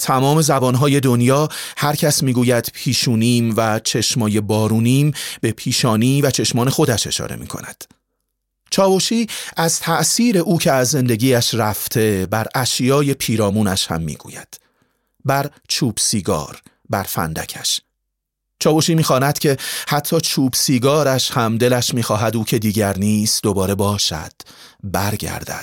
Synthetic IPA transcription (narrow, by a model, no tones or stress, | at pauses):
t̪ʰæmɒːme̞zæbɒːnɦɒːje̞d̪o̞njɒːhæɾcʰæsmiːɡuːjæd̪̥pʰiːʃuːniːmvæt͡ʃʰe̞ʃmɒːje̞bɒːɾuːniːmbe̞pʰiːʃɒːniːvæt͡ʃʰe̞ʃmɒːne̞xo̞d̪æʃe̞̰ʃɒ̰ːɾe̞̰mḭkʰo̰næd̪̥ | t͡ʃʰɒːboʃiːæz̥t̪ʰæʔsiːɾe̞ʔuːcʰe̞æzːe̞nd̪e̞ɟiːjæʃræft̪ʰe̞bæɾæʃjɒːje̞pʰiːɾɒːmuːnæʃhæ̰mːḭːɡ̥ṵːjæ̰d̪̥ | bæɾt͡ʃʰuːb̥siːɡɒ̰ːɾ | bæɾfæ̰nd̪æ̰cʰæʃ | t͡ʃʰɒːbo̞ʃiːmiːxɒːnæd̪̥cʰe̞hæt̪ʰːɒːt͡ʃʰuːbsiːɡɒːɾæʃhæmd̪e̞læʃmiːxɒːɦæd̪uːcʰe̞d̪iːɟæɾniːst̪d̪o̞bɒːɾe̞bɒːʃæ̰d̪̥ | bæɾɡæ̰ɾd̪æ̰d̪̥